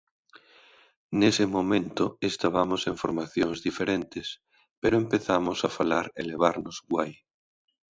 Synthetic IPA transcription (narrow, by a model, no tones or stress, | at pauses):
nesemomẽnt̪oest̪aβ̞amoseɱfoɾmaθjoŋzðifeɾent̪es | peɾoempeθamosafalaɾḛleβ̞aɾnozɡwaj